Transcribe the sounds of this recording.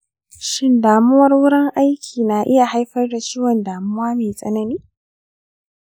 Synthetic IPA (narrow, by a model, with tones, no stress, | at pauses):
ʃɪ˦ndaː˨mʊ˦wɐ˦rwʊ˦ɽɪ˦ŋʔa˦jkʲʰiː˨na˨ʔɪ˦ja˨ha˦jɸɐ˦rda˨t͡ʃiː˦wɐ˨ndaː˨mʊ˦waː˦meː˨sʼɐ̰˦nɐ˦niː˦